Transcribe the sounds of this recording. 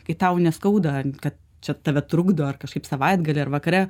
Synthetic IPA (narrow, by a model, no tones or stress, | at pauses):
kɐɪt̪ɐʊnʲɛskɐʊd̪ɐkɐt̪̚ | t͡ʃʲɛt̪ɐːʋʲɛt̪ɾʊɡd̪oːɐrkɐʃkɐɪpsɐʋɐɪd̪ɡɐlʲɪːɐrʋɐkɐɾʲɛ